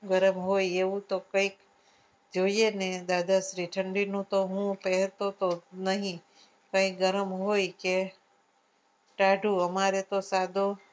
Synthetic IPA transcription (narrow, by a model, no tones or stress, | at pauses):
ɡəɾəmɦojeʋũt̪okə̃ik | d͡ʒoiened̪ad̪ʱaʃɾiʈʰəɳɖinũt̪oɦũpɛɦt̪ot̪onəɦĩ | kə̃ĩk̚ɡəɾəmɦojke | ʈaɖʱuəmaɾet̪osad̪ʱo